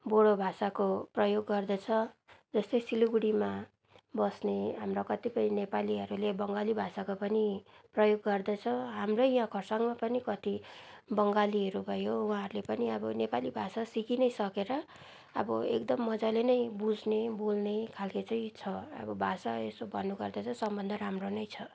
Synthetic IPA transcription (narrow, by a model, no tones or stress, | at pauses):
boɽobʱasakoprʌjoɡːʌrd̪ʌt͡sʰʌd͡zʌst̪ʌjsiluɡuɽima | bʌsneɦamrokʌt̪ipʌjnepaliɦʌɾulebʌŋɡalibʱasakopʌniprʌjoɡːʌrd̪ʌt͡sʰʌɦamrʌjɦãkʰʌrsaŋɡmapʌnikʌt̪ibʌŋɡaliɦʌɾubʱʌjowɦãɦʌɾlepʌniʌbʌnepalibʱasasikinʌjsʌkeɾʌ̰ː | bʌ̰ḛkd̪ʌmːʌd͡zalenʌjbud͡zʱnebolnekʰalket͡sʌj̃t͡sʰʌʌ̰bʌbʱasaesobʱʌnːuɡʌrd̪ʌt͡sʰʌsʌmbʌnd̪ʱʌɾamronʌjt͡sʰʌ